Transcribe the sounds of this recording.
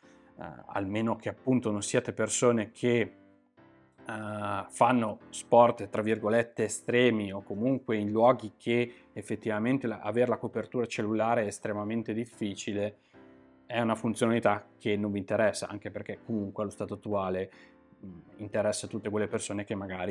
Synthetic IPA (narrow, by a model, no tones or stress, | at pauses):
a̰lmeːnok̟eapːunt̪ononsiat̪epersoːnekʰe | fanːospɔrt̪t̪ɾavːirɡolet̪ːeːst̪ɾɛːmiokːomuŋkweinlwɔːɡikʰe | efːet̪ːivament̪elaa̰veːɾelakopert̪uːɾat͡ʃelːulaːɾeɛːst̪ɾemament̪ed̪ifːiːt͡ʃile | ɛunafunt̪sjonalit̪akʰːenːõɱvint̪eɾɛsːa̰ʔa̰ŋk̟eperkekomuŋkwelost̪aːt̪oat̪ːuaːle | int̪eɾɛsːat̪ut̪ːekwelːepersoːnek̟emːaɡaːɾi